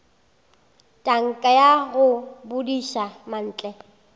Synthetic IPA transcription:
tʼaŋ̩kʼajaɣʊbʊdiʃaman̩ːt͡ɬʼɛ

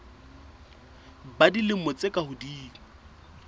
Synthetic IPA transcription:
badilɪmɔt͡sʼekʼahʊdiːŋ̩

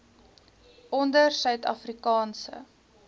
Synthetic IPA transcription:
ʔɔndərsœɥtɐ̰frikɑːnsə̰

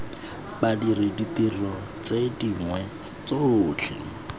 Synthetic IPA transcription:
badirɪditilɔ | t͡sʼediŋwɛ | t͡sot͡ɬʰɪ̰

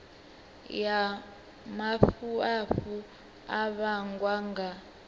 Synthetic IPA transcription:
ja | mafuaɸu | aβaŋɡwaŋɡa

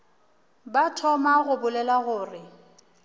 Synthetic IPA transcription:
batʰɔmaɣʊbʊlɛlaɣʊːrɪ

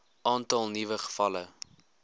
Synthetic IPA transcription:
ʔɑːntɐlˠnivəχə̥fɐlə

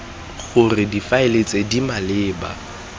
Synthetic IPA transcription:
ɣʊrɪdifaelet͡sʼedimalɪːba̰

